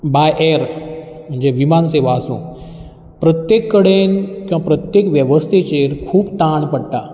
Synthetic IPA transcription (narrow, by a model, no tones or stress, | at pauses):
bajʔeɾ | m̤əɳd͡ʑeʋimanseʋaːsṵ̃ː | pɾət̪jekːəɽenkũʋãpɾət̪jekʋjəʋəst̪ʰet͡ɕeɾkʰuːbt̪aɳpəɽʈa